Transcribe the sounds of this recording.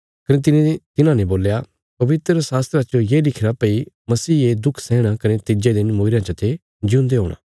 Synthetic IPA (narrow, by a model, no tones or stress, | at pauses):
kɐnet̪̬ɪnet̪ɪnãnẽboːlja | pɐʋɪt̪ɾəsaːst̪ɾat͡ʃojelɪkʰɾapɐi | mɐsiːed̪ʊkʰsɛːɽ̃akɐnet̪ɪd͡ʒed̪ɪnmoːɪɾjãt͡ʃɐt̪ʰe | d͡ʒiũnd̪eɦoːɽ̃ã̰ː